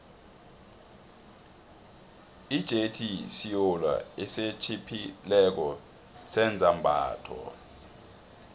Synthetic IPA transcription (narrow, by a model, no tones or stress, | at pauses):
id̥ʒ̥ʱetʰisijɔlwa̰ɛset͡ʃʰipʰilɛk̬ɔ | sɛnd͡zʱambʱa̰ːtʰɔ̰